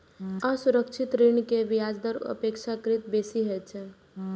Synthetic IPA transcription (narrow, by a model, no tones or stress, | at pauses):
əsuɾəkt͡ʃʰɪt̪ɾinkeʋijad͡ʒd̪əɾə̰pekʃakəɾit̪besiɦet͡ʃʰɛ